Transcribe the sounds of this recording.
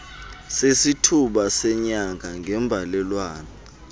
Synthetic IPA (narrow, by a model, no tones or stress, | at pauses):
sesitʰuɓasɛɲaŋʱaŋʱɛmbvʱalɛlwaːna